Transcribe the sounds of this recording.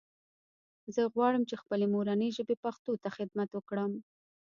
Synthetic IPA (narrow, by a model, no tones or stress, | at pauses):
zəɣwɑɽəmt͡ʃexpəlemoɾanəjʒəbepaxt̪ot̪axɪd̪mat̪wəkɽəm